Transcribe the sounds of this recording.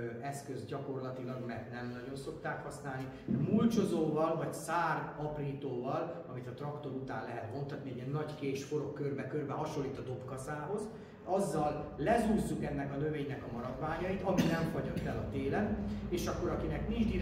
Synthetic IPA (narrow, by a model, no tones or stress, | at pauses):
ɛskø̞zɟɒko̞rlɒt̪ilɒɡmɛrt̪nɛmnɒɟo̞nso̞kt̪aːkhɒsnaːlni | mult͡ʃozoːvɒlvɒcsaːrɒpriːt̪oːvɒlɒmit̪ɒt̪rɒkt̪o̞ɾut̪aːnlɛɦɛt̪mo̞nt̪ɒt̪niɛɟiɛnːɒɟkeːʃfo̞ɾo̞kːørbɛkørbɛɦɒʃo̞lːiːt̪ɒd̪o̞pkɒsaːɦo̞z | ɒzːɒllɛzuːzːukɛnːɛkɒnø̞veːɲnɛkɒmɒɾɒd̪ʋaːɲɒjit̪ɒminɛɱfɒɟok̪t̪ɛlɒt̪eːlɛneːʃɒkːo̞ɾɒkinɛknind͡ʒd̪i